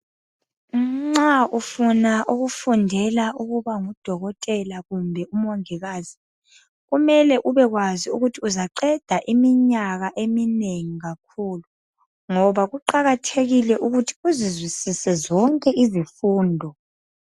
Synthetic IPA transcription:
ŋ͡ǁaufunaʔuɣufundʱɛlaʔuɣuβaŋud̥ʱɔɣɔtʼɛlaɣumbʱɛʔumɔŋɛɣaːzi | ɣumɛlɛʔuβɛɣwaziuɣutʰiuzaǃɛd̥ʱaʔimiɲaɣaʔemineŋiɣakʰuːlu | ŋɔβaɣuǃaɣatʰeɣilɛʔuɣutʰi̥uzizwisisɛzɔŋkʼɛʔizifuːndʱɔ

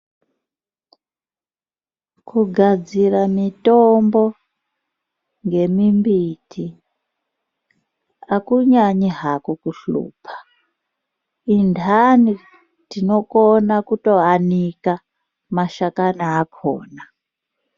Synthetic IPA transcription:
kuɡʱad͡ziramitombo | ŋɡe̞mimbitʰi | akuɲaɲiɦakokuɬṵːpʰḁ | indʱani | tino̞konakuto̞anika | maʃakanaːkʰoːna

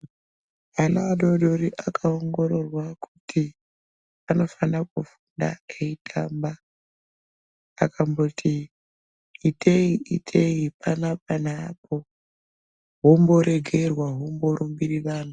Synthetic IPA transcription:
anaaɗo̞ɗo̞ɾiʔakʰaoŋɡo̞ɾo̞rwaku̥tʰi | ano̞fanak̚ufunda̰eitʰaːmba | kʰambo̞tʰi | itʰe̞iʔitʰeipanap̚anaːpo̞ | ɦombo̞ɾe̞ɡʱe̞rwaɦombo̞ɾumbiriʋaːn̤u

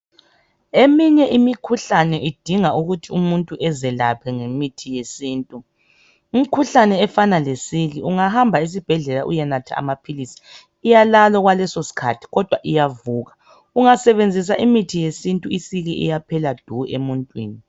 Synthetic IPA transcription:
emiɲɛʔimikʰuɬanɛʔid̥ʱiŋauɣutʰiumuntʼuʔɛzɛlapʰɛŋemitʰijesiːntʼuː | mikʰuɬanɛːfanalesiɣiʔuŋaɦambʱais̬ib̥ʱɛɮɛlaʔujɛnatʰa̰a̰mapʰilisi̥ː | jalalɔɣwalɛsosi̥kʰa̰tʰi̥ɣɔd̥ʱwaʔijavuːɣa | uŋasɛβend͡zʱis̬aʔimitʰijesintʼuisiɣiʔḭjapʰɛlad̥ʱuemuntʼwḭːni

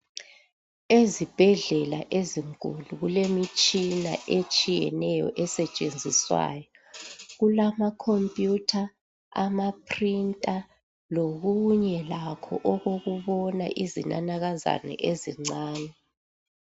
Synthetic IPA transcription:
ezib̥ʱɛɮɛla̰ʔeziŋkʼṵluɣulemit͡ʃʼina̰ʔet͡ʃʼijɛ̰nɛjɔ̰ʔɛsɛt͡ʃʼend͡zʱiswa̰ːjɔ | ɣulamakʰompʼjutʰa | amapʰrintʼa | loɣuɲɛlakʰɔ̰ʔɔɣoɣuβɔna̰ʔizina̰naɣaza̰nɛ̰ʔeziŋ͡ǀaːnɛ

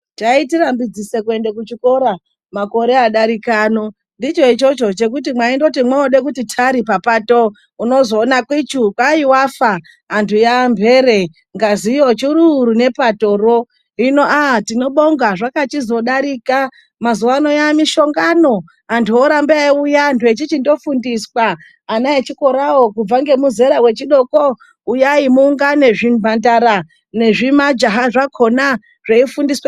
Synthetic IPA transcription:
taitiɾambid͡zisekue̞ndek̬ut͡ʃiko̞ɾa | mako̞ɾe̞aɗaɾikano̞ | ndit͡ʃo̞it͡ʃo̞t͡ʃo̞t͡ʃe̞k̬ut̬imwaindo̞timwaoɗek̬utitʰaɾipapato | uno̞zo̞ːnakwit͡ʃukwaiwafa | ɦantʰujambʱe̞ɾe̞ | ŋɡazijo̞t͡ʃiɾuɾune̞pato̞ro | ino̞ʔatino̞ɓo̞ŋɡaʐakat͡ʃizo̞ɗaɾika | mazuwano̞jamiʃo̞ŋɡano̞ | antʰuoɾambaujaːntuet͡ʃit͡ʃindo̞fundiswaː | naet͡ʃiko̞ɾawo̞kub͡vaŋɡe̞muze̞ɾawe̞t͡ʃiɗo̞ko̞ | ujaimuŋɡane̞ʐim̤andaɾa | ne̞ʐimad͡ʒaɦaʐakʰo̞na | ʐ̥eifundiswa

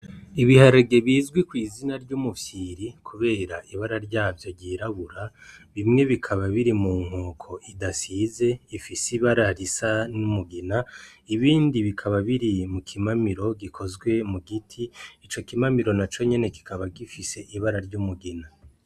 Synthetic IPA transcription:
iβihaɾaɡe̞βiːzɡwikwiːzinaɾɟumufjiɾikʰuβe̞ːɾaʔiβaɾaɾɟaːvjoɟiːɾaβuɾaβimŋe̞βikʰaβaβiɾimuːŋ̥hoːkʰo̞ʔidasize̞ifisiβaɾaɾisanumuɡinaiβiːndiβikʰaβaβiɾimukʰimamiɾo̞ɡikʰo̞zɡwe̞muɡitʰiːt͡ʃo̞kimamiɾo̞nat͡ʃo̞ɲe̞ne̞ki̥kaβaɡifise̞ʔiβaɾaɾɟumuɡina

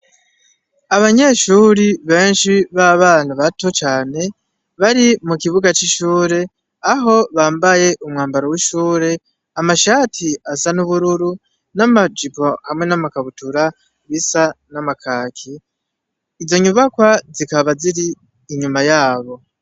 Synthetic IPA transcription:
aβaɲe̞ʃuːɾiβe̞ːnʃiβaβaːn̥huβatot͡ʃaːne̞ | βaɾimukiβuɡat͡ʃiʃuːɾe̞ | aɦo̞βaːmbaje̞ʔumŋaːmbaɾowiʃuːɾe̞ | amaʃaːtʰiasanuβuɾuɾu | namad͡ʒipo̞hamŋe̞namakaβutuɾa | βisanamakʰaːkʰiː | zo̞ɲuβakwazikaβaziɾiː | ɲumajaːβo̞

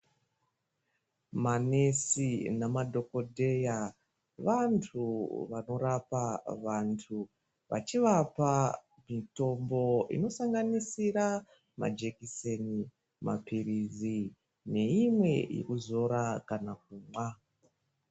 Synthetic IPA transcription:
mane̞sinamadʱo̞ko̞dʱe̞ja | ʋantʰuʋano̞ɾapaʋantʰu | ʋa̰t͡ʃiʋapa | mito̞mbo̞ḭno̞saŋɡanisiɾa | ma̰d͡ʒekiseni | mʔa̰pirizi | ne̞imwe̞jḛkuzo̞ɾakanak̚umwa

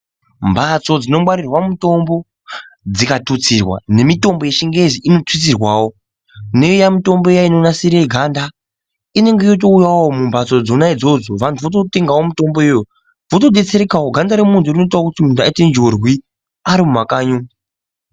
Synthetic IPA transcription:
mbʱat͡so̞d͡zino̞mwaɾirwamuto̞mbo̞ | d͡zikatut͡sirwa̰ne̞mito̞mbo̞je̞ʃiŋɡeziʔinotwit͡s̬irwaːwo̞ | ne̞ujamito̞mboejainonasiɾeɡʱanda | ine̞ŋɡejot̬o̞ujawaomumbʱat͡so̞d͡zonaid͡zo̞d͡zoʋantʰuʋot̬ote̞ŋɡawomito̞mbo̞ujo | votoɗe̞t͡seɾekawoɡʱandaɾemuntʰurino̞itawokutimundʱuaitend͡ʒorwi | aɾimumakaːɲo

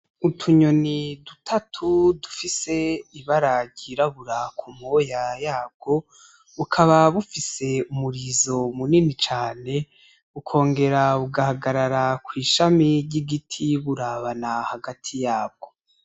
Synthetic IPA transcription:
utʰuɲo̞nidutʰatʰudufise̞iβaɾaɟiɾaβuɾakʰumojajaːb̚ɡo̞ | βukʰaβaβufise̞umuɾizo̞muninit͡ʃaːne̞ | βukʰo̞ːŋɡe̞ɾaβuɡahaɡaɾaɾakwiːʃamiɾɟiɡitʰiβuɾaβanahaɡatʰijaːb̚ɡ̥o̞

